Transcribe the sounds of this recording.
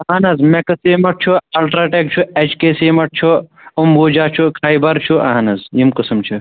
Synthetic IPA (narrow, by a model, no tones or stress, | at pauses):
ɐɦɐnɐzmekɐseːmɐʈ̚t͡ʃʰuɐlʈɾaːʈeːk̚t͡ʃʰuet͡ʃkeːseːmɐʈ̚t͡ʃʰu | umbuːd͡ʒaːt͡ʃʰukʰaːibɐɾt͡ʃʰuʔa̰ɦnɐzjimkɐsɐmt͡ʃʰu